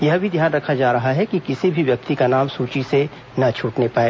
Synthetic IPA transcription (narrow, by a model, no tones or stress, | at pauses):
jɐɦbʱid̪ʱjaːnɾɐkʰad͡ʒaːɾɐɦaɦɛkikɪsibʱiʋjɐk̚t̪ikanaːmsuːt͡ʃise | nɐt͡ʃʰuːʈnepaːeː